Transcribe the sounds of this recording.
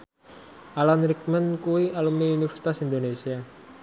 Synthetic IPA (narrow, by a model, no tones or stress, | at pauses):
ʔalanɾik̚mənkuwialumniunifɛ̥si̥t̪asind̪onesia